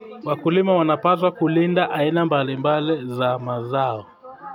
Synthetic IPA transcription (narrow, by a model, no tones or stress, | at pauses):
wakulimawanapas̬wakulindaʔainambalimbalizamazaɔ